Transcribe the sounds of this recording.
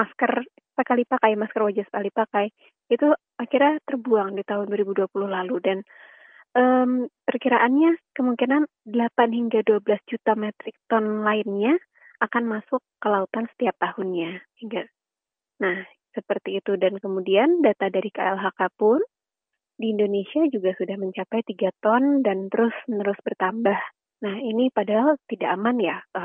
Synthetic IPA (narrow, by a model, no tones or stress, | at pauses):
maskər | səkalipakajmaskərwad͡ʒasə̥kalipakaj | it̪u | akirɲat̪ərbuaŋdit̪aɦʊnduwaɾibuduapulʊhlaludan | ʔəmpərkiɾaʔanɲakəmuŋkinan | dəlapanɦiŋɡaduabəlasd͡ʒut̪amɛt̪ɾɪk̚t̪ɔnlaɪnɲa | ʔakanmasʊkːəlaut̪ansə̥t̪iap̚t̪ahʊnɲahiŋɡa | nah | səpərt̪iːt̪udankəmudiandat̪adaɾikaʔɛlɦakapʊn | diːndonesiad͡ʒuɡasudahməɲt͡ʃapajt̪iɡat̪ɔndant̪əɾʊsnəɾʊsbərt̪ambah | nahinipadaɦalt̪idaʔamanjaʔə